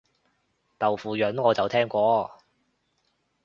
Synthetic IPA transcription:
t̪ɐ˨˩wfuː˨jœ˨˥nŋɔː˨˧t͡sɐ˨wt̪ʰɛː˥ŋkʷɔː˧

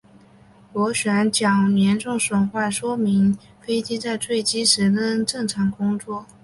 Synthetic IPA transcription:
kwɔ˧˥ɕɥɛ˧˥nt͡ɕjɑ˨˩ŋljɛ˧˥nʈ͡ʂʊ˥˩ŋʂwə˨˩nxwa˥˩ʂwɔ˥mi˧˥ŋ | fe˥ɪt͡ɕi˥t͡sa˥˧ɪt͡swe˥˩ɪt͡ɕi˥ʂɻ̩˧˥kə˥nʈ͡ʂɤ˥˩ŋʈ͡ʂʰɑ˧˥ŋkʊ˥ŋt͡swɔ˥˩

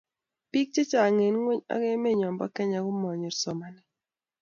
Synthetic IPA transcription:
pi˦k̚t͡ʃe˦t͡ʃa˨ŋe˨nŋwe˦ɲa̰˦ɡe˦me˦˨ɲɔ˨mbɔ̰˦kɛ˦ɲa˨ɡʊ˦mɔ˨ɲi˨ɾsɔ˨ma˨nɛ˨

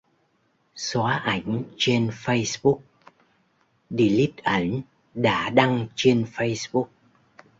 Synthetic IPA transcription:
swaː˨˦ʔa˧˩jŋ̟t͡ɕe˧nfə˧jsɓʊ˦˥k̚ | ɗi˧li˦˥t̚ʔə˧˩n | ɗa̰ː˧˥ɗa˧ŋt͡ɕe˧nfə˧jsɓu˦˥k̚

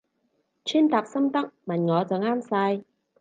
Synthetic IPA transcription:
t͡ɕʰi˧˥nt̪aː˨˩p̚sə˧mt̪a˦˥k̚ma˨˩nŋɔ˨˦t͡sə˨˦ŋʔaː˧msaː˧j

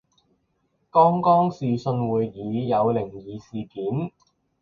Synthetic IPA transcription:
kɔː˥ŋkɔː˥ŋsiː˨sɵ˧nwuː˨˧jːiː˨˥jɐ˨˧wlɪ˨˩ŋjiː˨˧siː˨˩kiː˨˥n

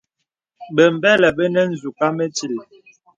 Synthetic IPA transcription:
bə˨m˨bɛ˦lɛ˨bə˦nɛ˦n̩˦˨zu˨ka˦mə˦ti˨l

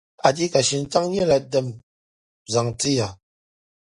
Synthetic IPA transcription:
a˨di˦ka˨ʃi˨n̩˦ta˦ŋ˦ɲ˦ɛ˦la˨də˦˨m | za˨ŋti˦ja˨

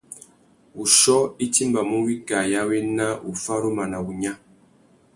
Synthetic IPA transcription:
u˨ʃɔ˦i˦ti˦mba˨mu˦wi˦ɡa˨ja˦we˦na˦u˨fa˦ɾu˦ma˨na˨u˨ɲa˦

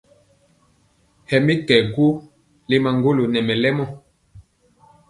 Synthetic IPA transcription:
hɛ˨mi˦kɛ˨ɡu˦ | le˦ma˨ŋɡo˦lo˨nɛ˨mɛ˨lɛ˦mɔ˦˨

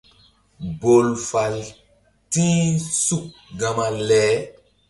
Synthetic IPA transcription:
bo˨lfa˨l | tĩ˦su˨k̚ɡã˨ma˨lɛː˨˦

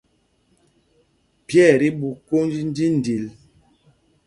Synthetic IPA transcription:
pjɛ˦˨ɾi˦bu˨ko˦nd͡ʒi˦n̩˦di˦n̩˨di˨l

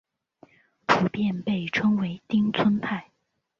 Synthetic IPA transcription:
pʰu˨˩pjɛ˥˧npe˥˩ɪʈ͡ʂʰɤ˥ŋwe˧˥ɪt̪i˥ŋt͡sʰwə˥npʰa˥˩ɪ

